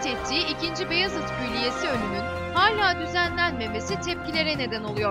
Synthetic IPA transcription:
t̪ʰet̪ʰːiːicind͡ʒibejazɯt̪pʰyjlʲije̞siø̞nymyn | haːlʲaːd̪yzænlʲænme̞me̞sit̪ʰɛp̚cilʲe̞ɾɛne̞d̪æno̞lˠujoɾ

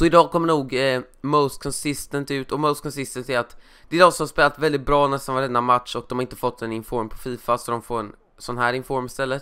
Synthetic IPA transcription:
sɔɪd̪ɑːkʰɔmːəɳuːɡ | moʊst̪̚kʰɔnsɪst̪ənt̪ʉ̟ːt̪ɔməʊst̪kʰɔnsɪst̪ənt̪æɾat̪ | d̪̥ɛːd̪ɔːsɔmhaspeːlat̪vɛld̪ɪt̪̚bɾɑːnɛst̪anɑvd̪ɛnːamat̪ʂɔk̚d̪ɔmhaɾɪnt̪əfɔt̪ːɛnɪnfɔɾmpʰɔ̥fiːfasɔd̪ɔmfoːɾɛn | sɔnːɦæːɾɪnfɔɾmɪst̪ɛlːət̪

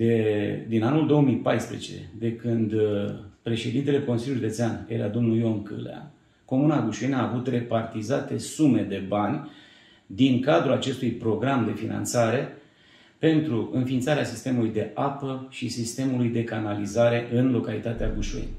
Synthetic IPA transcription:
ed̪inanuld̪o̞omijpajspɾet͡ʃe̞̰d̪e̞kɨnd̪pɾe̞ʃe̞d̪int̪e̞le̞ko̞nsilʲjuʒud̪ət̪seane̞ɾa̰d̪o̞mnujo̞ŋkɨ̰lḛa̰ | ko̞munaɡuʃuenaːvut̪re̞part̪izat̪e̞sume̞d̪e̞banʲ | d̪iŋkad̪ɾulat͡ʃe̞st̪ujpɾo̞ɡɾamd̪e̞fina̰nt̪saɾe̞ | pe̞nt̪ɾuʔɨnfiːnt̪saɾeasist̪e̞mulujd̪e̞ʔapəʃisist̪e̞mulujd̪e̞kanalizaɾe̞ʔɨnlo̞kalit̪at̪eaɡuʃuḛn

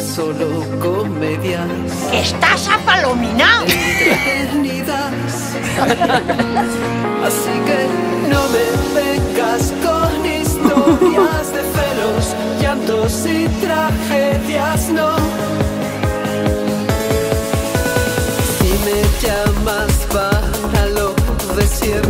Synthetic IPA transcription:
solo | komeðja | skest̪aʃapalominaβeniða | s | asikenomeβeŋɡaskonist̪oɾjazðefelos | ʝant̪osit̪ɾaxeðjasno | imeʝamasβa | ɾaloðesjeɾ

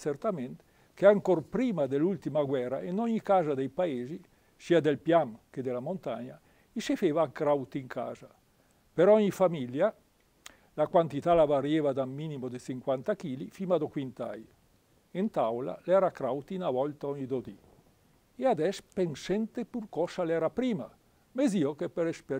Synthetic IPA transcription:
sert̪ament̪ | keaŋkorpɾiːmad̪elult̪imaɡwɛɾa̰inɔɲːikaːzad̪ejpaeːzi | siːad̪elpjamked̪elamont̪a̰ɲa | isifeːvakɾawt̪iŋkʰa̰ːza | peɾɔɲifamilja | lakwant̪it̪alavaɾjeːvad̪amːinimod̪esiŋkwant̪ak̟iːlifimad̪okwint̪a̰j | ent̪awla̰lɛːɾakɾawt̪inavɔlt̪aɔɲːid̪od̪i | ead̪ɛspensɛnt̪epurkɔsalɛːɾapɾiːma | meziokepeɾespe

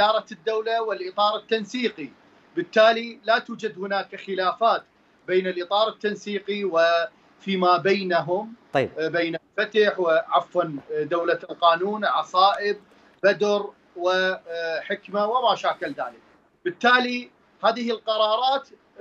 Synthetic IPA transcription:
ɪd̪ɑːɾˤɑd̪ːawlawɪlʔɨt̪ˤɑːɾˤɪt̪ːansiːqi | bɪt̪ːaːlilat̪uːd͡ʒad̪hʊnaːkxɪlaːfaːt̪ | beːnɪlʔɨt̪ˤɑːɾˤɪt̪ːansiːqiwɪ | fiːmaːbajnaɦʊmbeːnalfat̪aħwɪʕafwand̪awlalqɑːnuːnʕɑsˤɑːʔɪb̚ | bad̪ɾ | wɪħɪkmawɪmaːʃaːkɪlðaːlɪk̚ | bɪt̪ːaːli | haːðɪhɪlqɑɾˤɑːɾˤɑːt̪

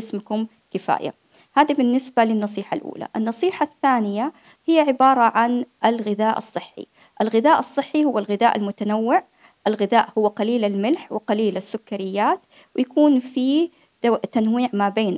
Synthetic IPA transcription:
smʊkʊm | kɪfa̰ːja̰ | haːðibɪnːɪsbalɪnːɑsˤiːħalʔṵːla̰ʔɪnːɑsˤiːħaθːaːnɪja | hɪjːaʕɪbɑːɾˤɑʕanʔɪlɣɪðaːʔɑ̰sˤːɨħːḭ | ʔɪlɣɪðaːʔɑsˤːɨħːihʊwːalɣɪðaːʔalmʊt̪anawːɪʕ | ʔɪlɣɪðaːʔhʊwːaqɑliːlalmɪlħwɪqɑliːlasːʊkːaɾɪjːaːt̪ | wɪjakuːnfi | t̪anwiːʕmabeːn

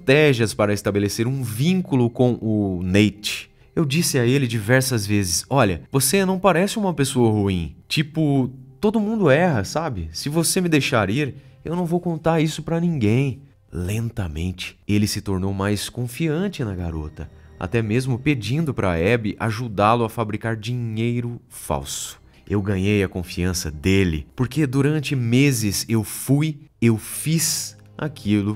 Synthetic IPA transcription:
t̪ɛʒiɐspaɾɐɪst̪abeleseɾũvĩŋkulʊkõw̃ʔʊnejt͡ʃɪ̥ | ewd͡ʒisɪaelɪd͡ʒivɛɾsɐzvezɪsɔʎɐvosenɐ̃w̃paɾɛsɪũmɐpesoɐhuĩt͡ʃipʊt̪od̪ʊmũnd̪ʊɛɦɐsabɪsɪvosemɪd̪ejʃaɾiɾewnɐ̃w̃vowkõnt̪aɾisʊpɾɐnĩɡẽj̃ | lẽnt̪ɐmḛ̃nt͡ʃɪ̥elɪsɪt̪oɾnowmajskõfiɐ̃t͡ʃɪnɐɡaɾo̰t̪ɐa̰t̪ɛmezmʊped͡ʒĩnd̪ʊpɾɐɛbɪʔa̰ʒud̪alʊafabɾikaɾd͡ʒĩɲejɾʊ | fa̰wsʊ̥ | ewɡɐ̃ɲejɐkõfiɐ̃sɐd̪elɪ̰poɾked̪uɾɐ̃nt͡ʃɪmezɪzewfujewfiz | a̰kʰilʊ

